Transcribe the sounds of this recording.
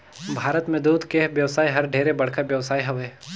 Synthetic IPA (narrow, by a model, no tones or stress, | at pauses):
bʱaːɾət̪mẽd̪uːd̪ʱkeʋjɐʋsaːiɦɐɾɖʱeːɾebɐɽ̤kabjɐʋsaːiɦɐʋeː